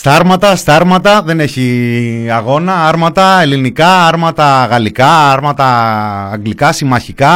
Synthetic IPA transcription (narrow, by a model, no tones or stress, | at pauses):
st̪ɐɾmɐt̪ɐst̪ɐɾmɐt̪ɐðe̞neçiɐɣo̞nɐɐɾmɐt̪ɐe̞linikɐɐɾmɐt̪ɐɣɐlikɐɐɾmɐt̪ɐːŋɡlikɐsimɐçikɐ